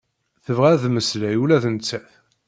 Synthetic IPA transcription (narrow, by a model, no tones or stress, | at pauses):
θəvʁæðməslæjulæθənt͡sːæθ